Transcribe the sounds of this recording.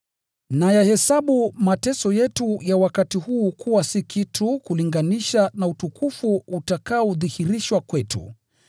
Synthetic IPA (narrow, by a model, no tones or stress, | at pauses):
najahɛsaɓumatɛsɔjɛtujawakatihuːkuwasikitʰukuliŋɡaniʃanautukufuːtakaɔðihiɾiʃwakwɛtṵ